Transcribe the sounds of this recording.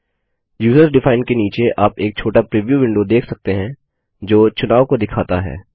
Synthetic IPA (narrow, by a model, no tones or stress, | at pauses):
juːzəɾsɖɪfaːɪnkeniːt͡ʃeʔaːpeːk̚t͡ʃʰoːʈapɾiːʋijuʋɪ̃ɳɖod̪eːkʰsɐk̚t̪eɦɛ̃ | d͡ʒoːt͡ʃʊnaːʋkod̪ɪkʰaːt̪aɦɛ̰ː